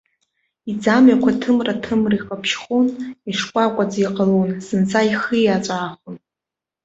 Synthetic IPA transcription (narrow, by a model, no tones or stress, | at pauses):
id͡zamɥakʷʰatʰɨmratʰɨmriqʼapʰʃχuniʂkʷʼakʷʼad͡ziqʼalonzɨnt͡sʰaiχiat͡ʃʷʼaːχʷʊn